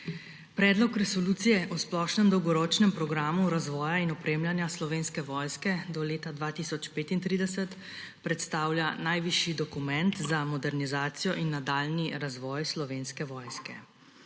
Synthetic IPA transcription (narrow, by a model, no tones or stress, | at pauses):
pɾɛːd̪lɔkɾɛsɔluːt̪sijɛʔɔsplɔʃnɛmd̪ɔwɡɔɾoːt͡ʃnɛmpɾɔɡɾaːmuɾazʋɔːjainɔpɾeːmljanjaslɔʋeːnskɛʋɔːjskɛd̪ɔleːt̪ad̪ʋat̪isɔt͡ʃpeːt̪int̪ɾiːd̪ɛsɛt̪ | pɾɛt̪st̪aːwljanajʋiʃid̪ɔkumɛnt̪zamɔd̪ɛɾnizaːt̪sijɔʔinːad̪aːlniɾazʋɔːjslɔʋeːnskɛʋɔːjskɛ̰